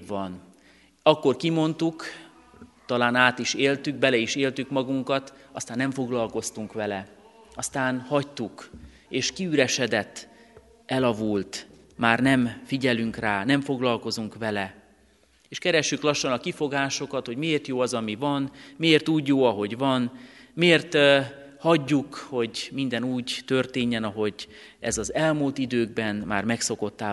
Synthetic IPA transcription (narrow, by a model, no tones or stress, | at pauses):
ʋɒn | ɒkːo̞rkimo̞nt̪uk | t̪ɒlaːnaːt̪iʃeːlt̪yɡ̚bɛlɛiʃeːlt̪ykmɒɡuŋkɒt̪ɒst̪aːnːɛɱfo̞ɡlɒlko̞st̪uŋkʋɛlɛ | ɒst̪aːnhɒct̪uk | eːʃkiyɾɛʃɛd̪ɛt̪ː | ɛlɒvult̪ | maːrnɛmfiɟɛlyŋkraːnɛɱfo̞ɡlɒlko̞zuŋkʋɛlɛ | eːʃkɛɾɛʃːyklɒʃːonɒkifo̞ɡaːʃo̞kɒt̪ho̞ɟmieːrt̪joːɒzɒmivɒnmieːrt̪uːɟːoːɒɦo̞ɟvɒnmeːrt̪ | hɒɟːukho̞ɟmind̪ɛnuːɟt̪ø̞rt̪eːɲːɛnɒɦo̞ɟ | ɛ̰zɒzɛlmuːlt̪id̪øːɡ̚bɛnma̰ːrmɛkso̞ko̞t̪ːaː